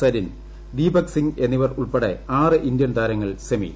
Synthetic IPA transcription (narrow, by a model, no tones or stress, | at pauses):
sɐɾin | d̪iːbɐksiŋɡe̞nːiʋɐruɭpeɽeaːrɨʔind̪jɐnt̪aːɾɐŋːɐɭsɐmḭ